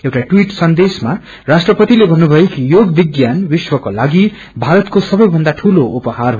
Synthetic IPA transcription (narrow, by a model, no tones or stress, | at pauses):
ewʈaʈwiʈsʌnd̪esma | rasʈrʌpʌt̪ilebʱʌnːubʱʌjekijoɡbiɡjanwiswʌkolaɡi | bʱaɾʌt̪kosʌbʌjbʱʌnd̪aʈʰuloupʌɦarɦ